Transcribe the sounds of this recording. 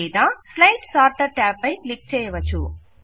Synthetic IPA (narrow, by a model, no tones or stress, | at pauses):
iːd̪aːslɐjʈsaːɾʈɐɾʈaːpɐjklik̚t͡ʃɛːjɐʋɐt͡ʃːṵ